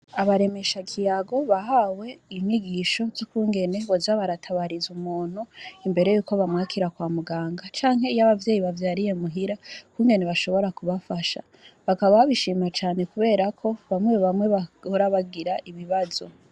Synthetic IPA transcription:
aβaɾe̞me̞ʃakʰijaɡo̞βaɦawe̞imiɡiʃo̞zokuːŋɡe̞ne̞βozaβaɾatʰaβaɾizumuːn̥uimbe̞ɾe̞juːko̞βamŋaːkʰiɾakwaːmuɡaːŋɡat͡ʃaːŋɦe̞ijaβavje̞ːjiβavjaːɾije̞muɦiɾakuːŋɡe̞neβaʃo̞βo̞ɾakuβafaʃa̰ | βakaβaβaβiʃiːmat͡ʃaːne̞kuβe̞ːɾakʰo̞βamweββamweβaoɾaβaɡiɾaʔiβiβazo̞̰

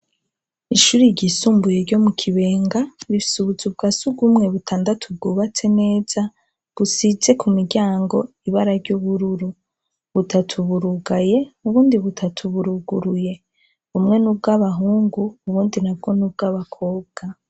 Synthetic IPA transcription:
iʃuːɾiɟisuːmbuje̞ɾɟo̞mukʰiβe̞ːŋɡaβifi̥suβuzubɡasuɡumŋe̞βutʰaːndatʰub̚ɡuːβat͡se̞ne̞ːz̥a | βusize̞kʰumiɾɟaːŋɡo̞iβaɾaɾɟoβuɾuɾu | βutʰatʰuβuɾuɡaje̞uβuːndiβutʰatʰuβuɾuɡuɾuje̞ | umŋe̞nub̚ɡaβaɦuːŋɡuːβuːndinab̚ɡo̞nub̚ɡaβakʰo̞ːb̚ɡ̥a

